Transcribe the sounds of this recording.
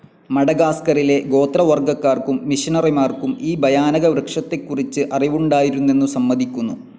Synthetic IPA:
mɐɽɐɡaːskɐrile̞ɡo̞ːt̪rɐʋɐrɡɐkːaːrkumːiʂinɐrimaːrkumiːbʱɐjaːnɐɣɐbɾɐkʂɐt̪ːe̞kːurit͡ɕːɨʔɐriʋuɳɖaːjiɾunːe̞nːusɐmːɐðʱikʲːunːu

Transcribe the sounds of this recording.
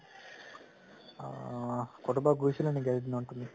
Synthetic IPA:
koʈumbɐɡuːʃilɐniɡelʈ̪inuɳʈund̪i

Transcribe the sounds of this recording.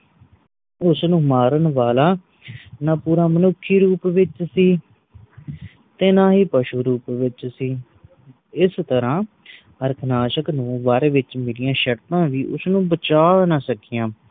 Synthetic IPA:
ʊsnũːmaːɾənʋaːlaː | naːpuːɾãːmənʊkʰːiːɾuːpʋɪt͡ʃsiː | t̪ẽːnãːɦiːpəʃuːɾuːpʋɪt͡ʃsiː | ɪst̪əɾãː | əɾkʰnaːʃəknũːʋaɾʋɪt͡ʃmɪlɪjãːʃəɾt̪ãːʋiːʔʊ̰snũːbət͡ʃaːnaːsəkiːjãː

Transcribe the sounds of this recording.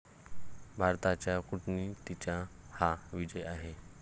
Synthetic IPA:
bʱaɾt̪at͡ɕjakuʈnit̪it͡ɕahaʋid͡ʑəjaɦe

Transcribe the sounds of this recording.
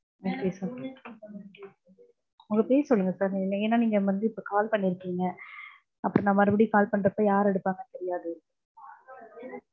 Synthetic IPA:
oːkeːsaːɾ | ʊŋɡɐpeːsɔlːɯŋɡɐsaːɾneːnːaːniːŋɡɐʋɐnd̪ɯɪpːokaːlpɐɳːɪɾɯkːiːŋɡɐ | ʔɐpːɯɾɔ̃naːmɐɾɯbɐɽikaːlpɐɳɖɾɐpːoːjaːɾɛɽɯpːaːŋɡɐt̪ɛɾɪjaːðɯɪɾɯkːɯ

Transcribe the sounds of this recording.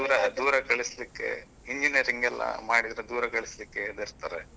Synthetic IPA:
uːɾɐd̪uːɾɐkɐɭislikːe̞̰ | iɲd͡ʒinjɐɾiŋɡɛlːɐ̰maːɽid̪ɾed̪uːɾɐkɐɭislikːeɐd̪iɾt̪aːɾe

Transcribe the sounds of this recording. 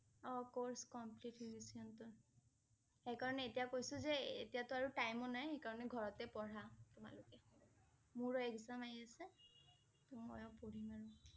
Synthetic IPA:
ɔkoɹskɔmplitibisiɔntʊɹ | xejkaɹɔnɛːtijakojsʊzɛḛtijatʊaɹutajmɔnajxejkaɹɔnɛɡʱɔɹɔtɛpɔɹatʊma̰lʊkɛ | muɹɔɛkzamajiasɛ | tumɔ̰jɔpoɹimaɹʊ

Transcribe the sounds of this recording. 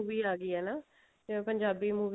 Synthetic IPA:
ʋiːaːɡiːɛːnãː | pəɲd͡ʒaːbiːmuːʋ

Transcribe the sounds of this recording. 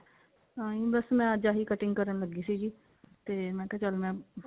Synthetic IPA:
aːĩbəsmɛ̃ːəd͡ʒaːɦiːkəʈɪ̃ŋɡkəɾənləɡiːsiːd͡ʒiː | t̪eːmɛ̃ːkɛːt͡ʃəlmɛ̃ː

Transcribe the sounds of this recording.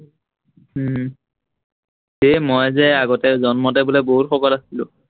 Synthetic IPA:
hemojzɛaɡɔtɛzɔnmɔtɛbʊlɛboɦutxɔkɔlasilʊ̰̃

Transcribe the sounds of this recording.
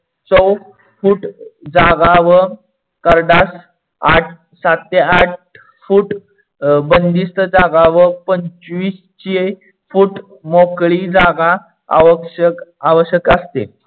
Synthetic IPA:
t͡səw | fuːʈd͡zaɡaʋə | kəɾɖas | aʈʰ | sat̪ːeaʈ̚ | fuːʈ | bənd̪ist̪əd͡zaɡaʋəpəɲt͡ɕʋiːs | t͡ɕe | fuːʈ | mokɭid͡zaɡa̰ː | ʋəkʂəkaʋəɕjəkəst̪ḛ

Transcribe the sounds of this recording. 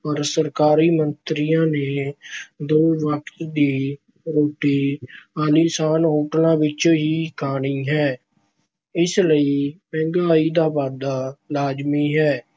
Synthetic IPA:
pəɾsəɾkaːɾiːmənt̪ɾɪijãːneːd̪ʊːʋəkt̪d̪iː | ɾoːʈiːaːliːsaːnoːʈnãːʋɪt͡ʃɦiːkʰaːɽ̃iːɦɛː | ɪsləiːpɛ̃ːŋɡaːiːd̪aːbaːd̪aːlaːd͡ʒmiːɦɛː

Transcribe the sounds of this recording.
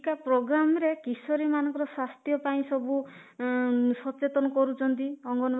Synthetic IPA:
kapɾoɡɾamɔɾekisɔɾimanɔŋkɔɾɔswast̪jɔpaĩsɔbu | sɔt͡ʃet̪ɔnɔkɔɾut͡ʃʰɔnt̪iɔŋɡɔnɔ

